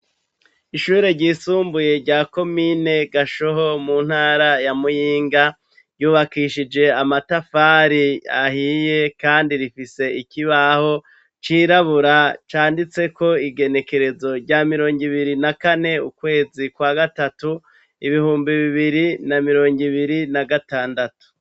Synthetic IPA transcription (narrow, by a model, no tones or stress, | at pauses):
iʃuːɾeɾɟiːsuːmbuje̞ɾɟaːko̞mine̞ɡaʃo̞ɦo̞muːn̥haːɾajamujiːŋɡa | ɾjuːβakiʃid͡ʒe̞amatafaːɾiahije̞kaːndiɾifise̞ikiβaho̞ | t͡ʃiːɾaβuɾat͡ʃaːndit͡se̞ko̞iɡe̞ne̞ke̞ɾe̞zo̞ɾɟaːmiɾo̞ːŋɡiβiɾinakane̞ukwe̞ːzikwaːɡatatu | ḭβihuːmbiβiβiɾinamiɾo̞ːŋɡiβiɾinaɡataːndatu̥